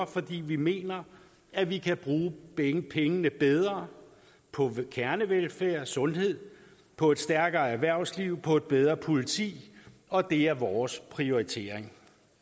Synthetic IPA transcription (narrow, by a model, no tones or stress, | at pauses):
ɐfɒ̽d̥ḭːʋime̝̰ːnɐ | æʋikʰæb̥ʁuːŋpʰeŋənəb̥eð̞ˠʁɐ | pʰɒ̽kʰæɐnəʋelfæɐ̰sɔ̽nɦe̝ð̰ˠ | pʰɒ̽e̝d̥sd̥æɐɡ̥ɐːæɐʋæɐ̰ʊsliʊ̰pʰɒ̽e̝d̥̚b̥eð̞ˠʁɐpʰo̝lit͡sʰḭːɒ̽d̥e̝æɐʋɒːspʰʁio̝it͡sʰe̝̰ɐ̰eŋ